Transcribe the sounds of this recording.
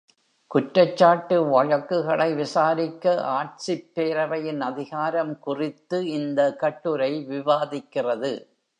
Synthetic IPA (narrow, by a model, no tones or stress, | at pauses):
kʊʈɾɐt͡ʃːaːʈːɯʋɐɻɐkːɯɣɐɭɐɪʋɪsaːɾɪkːɐʔaːʈ̚sɪpːeːɾɐʋɐjɪnɐðɪɣaːɾɐmkʊrɪt̪ːɯɪnd̪ɐkɐʈːɯɾɐɪʋɪʋaːðɪkːɪrɐðɯ